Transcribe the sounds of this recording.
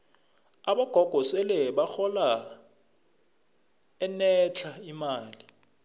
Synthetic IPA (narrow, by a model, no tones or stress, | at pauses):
aɓɔɡ̥ʱɔɡ̥ʱɔsɛlɛɓaxɔla | ɛnɛt͡ɬʰaimaːli